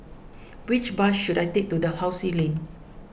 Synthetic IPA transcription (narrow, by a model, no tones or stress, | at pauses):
wit͡ʃbaʃːudajtek̚tudəhawsilẽn